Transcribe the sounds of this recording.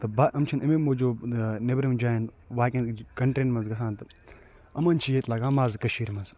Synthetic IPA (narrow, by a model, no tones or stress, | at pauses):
t̪ɨbaʔɐmt͡ʃʰɐnɐmemod͡ʒoːnebɾimd͡ʒaːjin | ʋaːkʲɐnkɐɳʈɾeːnmɐnzɡɐsaːnt̪ɨ | ɐmɐnt͡ʃʰijeːt̪laːɡaːmaːzkɐʃiːɾmɐnz